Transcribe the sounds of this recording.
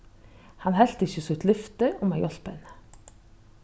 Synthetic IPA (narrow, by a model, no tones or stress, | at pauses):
hɑnɦɛlt̪ɪçəsʉt̪ʰlʏft̪əʔʊmæjɔlpən